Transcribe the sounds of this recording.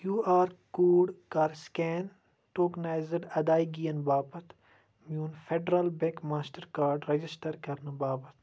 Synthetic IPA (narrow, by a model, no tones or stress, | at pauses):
jjuːaːɾkuːɖkaːɾskɛːn | ʈoːknaːjzəɖɐd̪aːiɡijɐnbaːbɐt̪ | mjũːnfʰeɖɾalbẽkmaːsʈɐɾkaːɾɖɾɐd͡ʒɪsʈəɾkɐɾnɐbaːbɐt̪